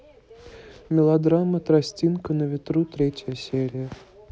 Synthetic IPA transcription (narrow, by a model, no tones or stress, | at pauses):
mʲɪlˠod̪rɑmːət̪rasʲtʲinkənəvʲɪt̪rut̪ɾʲetʲjəsʲeɾʲijə